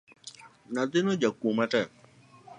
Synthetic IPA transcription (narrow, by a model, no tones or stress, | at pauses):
nad̪ɪnɔd͡ʒakwomɛtɛ